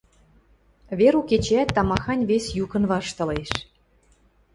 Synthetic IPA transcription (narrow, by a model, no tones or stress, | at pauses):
βeɾuket͡ɕeæt̪ːɑmɑxɑnʲβesjukə̆nβɑʃt̪ɤ̆leʃ